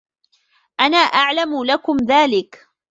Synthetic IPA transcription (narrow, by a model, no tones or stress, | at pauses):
ʔanaːʔaʕlamʊlakʊmðaːlɪk